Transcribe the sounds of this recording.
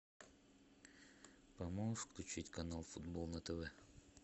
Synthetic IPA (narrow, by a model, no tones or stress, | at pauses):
pɐmofklʲʉt͡ɕitʲkɐnalˠfʊd̪bolˠnət̪ɛvɛ